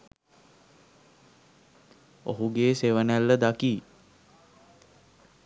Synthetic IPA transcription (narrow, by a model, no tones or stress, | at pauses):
o̰ɦuɡeːseʋənælːəd̪akiː